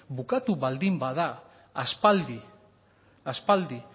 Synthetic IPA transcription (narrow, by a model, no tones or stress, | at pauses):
bukat̪uβald̪imbaðaː | spald̪i | aspald̪i